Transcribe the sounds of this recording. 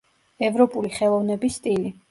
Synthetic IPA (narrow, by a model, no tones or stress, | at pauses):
ɛvɾɔpʼuliχɛlˠɔvnɛbisːt̪ʼili